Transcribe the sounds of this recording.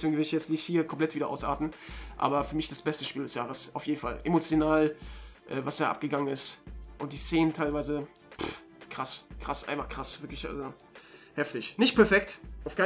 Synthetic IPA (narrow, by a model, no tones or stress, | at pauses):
sveːɡŋvɪɐdɪçjɛt͡stnɪçthiːɐkʰɔmpl̥ɛtviːdɐʔa̰ʊsʔa̰ːtn̩ʔa̰ːbɐfyːɐmɪçd̥asb̥ɛstəʃpiːldɛsjaːʁ̞əsʔa̰ʊfjeːdn̩fa̰lʔemot͡sjonaːlʔɛːvasd̥aːʔa̰p̚ɡ̥əɡaŋənɪstʔʊntd̥iːst͡seːnəntʰaɪlvaɪzə | p | kʁ̥askʁ̥asʔa̰ɪnfaχkʁ̥asv̥ɪɐklɪçʔa̰lzo | hɛftɪçnɪçt̚pʰɛɐfɛk̚tʔaʊfkʰaɪ